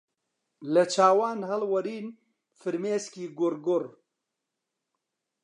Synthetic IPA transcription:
lɐt͡ʃʰaːwaːnhɐlwɐɾiːn | fɨɾmeːskiːɡʊɾɡʊr

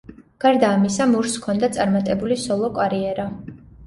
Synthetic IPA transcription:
ɡ̥aɾd̪aːmisamuɾskʰɔnd̪at̪sʼaɾmat̪ʼɛbulisɔlˠɔkʼwaɾiɛɾa

